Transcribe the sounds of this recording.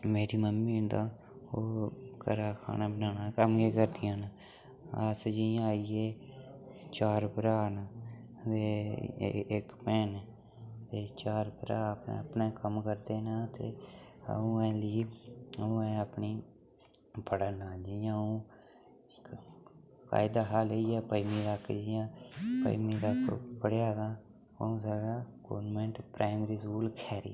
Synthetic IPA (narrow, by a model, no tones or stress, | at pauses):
meːɾiːməmːiːnd̪aː | oːkəɾaːkʰa̰ːnaːbənaːãːkəmkeːkəɾd̪ɪjãːna | əsd͡ʒɪjãːaːiːeː | t͡ʃaːɾpəɾaːnaː | t̪eː | ɪkpɛːn | t̪eːt͡ʃaːɾbɾaːpn̰ːəpnẽːkəmkəɾd̪eːnãːt̪ḛː | ũːɛ̃ːliːũːɛ̃ːəpniː | pəɽaːnaːd͡ʒijãːũː | k | ka̰ːɪd̪aːɦaːləiːɛːpəimĩːd̪akd͡ʒɪjãːpə̰imĩːd̪əkpəɽjaːdãː | ə̰ũːsaːɡaːɡo̰ːmẽːɳʈpɾaːmɾiːsuːlkʰɛːɾḭː